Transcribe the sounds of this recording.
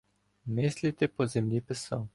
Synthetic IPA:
meːslit̪ɛpɔzɛmlʲipɛsəw

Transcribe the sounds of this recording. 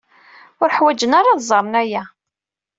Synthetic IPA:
ʊɾħwæd͡ʒənaɾɑðzˤɑɾˤnæjæ

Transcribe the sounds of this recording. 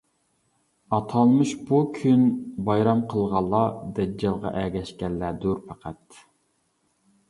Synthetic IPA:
ɑt̪ʰɑlˠmɨʃbukʲʰynbɑjɾɑmqʰəlˠʁɑlˠːɑd̪ɛd͡ʒɛlˠʁɑ̰ʔɛɡʲɛʃkʲɛlːæd̪uɾpʰæqʰæt̪

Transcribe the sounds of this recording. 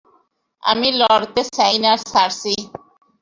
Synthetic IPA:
a̰milɔɾt̪esajnaɾsaɾsi

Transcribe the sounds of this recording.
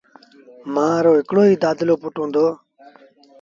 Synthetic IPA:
mãːɾoːɦɪkɽoːɦiːd̪aːd̪ɪloːpʊʈõːnd̪oː

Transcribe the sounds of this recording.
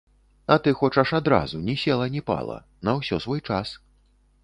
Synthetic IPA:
ɐt̪ɨxɔt͡ʂɐʂad̪ɾa̰zunʲisʲɛlˠɐnʲɛpa̰lˠɐ̰ | nɐwsʲɔsvɔjt͡ʂas

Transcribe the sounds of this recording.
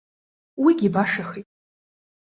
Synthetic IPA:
wiɡʲibaʂaχijtʼ

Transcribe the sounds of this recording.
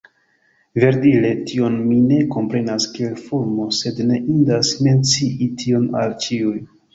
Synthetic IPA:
ve̞ɾdile̞tʰio̞nmine̞ko̞mpɾe̞naskie̞lfuɾmo̞se̞dne̞ʔindasme̞nt͡siʔitʰio̞na̰lt͡ʃiuj

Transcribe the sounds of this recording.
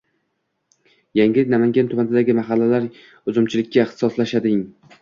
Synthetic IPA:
jaŋɪnamaŋɡʲant̪ʰʊmanɪd̪aɡʲɪmaɦalːalaɾ | ɵzɪmt͡ʃʰɪlɪkʲːaɪχt̪ɪ̥sɒslaʃad̪ɪŋ

